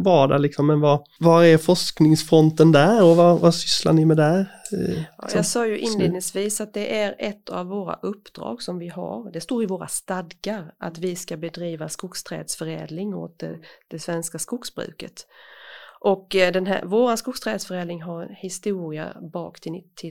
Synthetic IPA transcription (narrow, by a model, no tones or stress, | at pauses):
vɑːɖɛlɪksɔmːɛnva | vaɾɛɾfɔʂknɪŋsfɾɔnt̪ənd̪æɾɔvavasʏsla̰ɳɪmɛd̪æɾ | ɑ̰ːjɑsɑːjɵʔɪnleːd̪nɪŋsviːsat̪̚d̪ɛʔæɾɛt̪ʰːa̰vːoːɾa̰ʔɵpːd̪̥ɾɑ̰ːɡsɔmvɪɦa̰ɾd̪ɛst̪oːɾɪvoːɾa̰st̪ad̪ɡaɾʔa̰t̪vɪskabɛd̪ɾiːvaskʊkst̪ʰɾɛ̰ːd̪sfœɾɛ̰ːd̪lɪŋo̰ːt̪̚ɛd̪̥ɛsvɛnskaskʊksbɾʉ̰ːkət̪ | ʔɔkd̪ɛnɦævoːɾaskʊkst̪ʰɾɛːd̪sfœɾɛːd̪ɪŋɦaɾhɪst̪uːɾɪa̰bɑ̰ːkt̪ʰɪɪ